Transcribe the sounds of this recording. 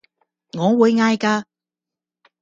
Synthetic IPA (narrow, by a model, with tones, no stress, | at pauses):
ŋɔː˨˧˥wuː˨˧jŋaː˧jkaː˧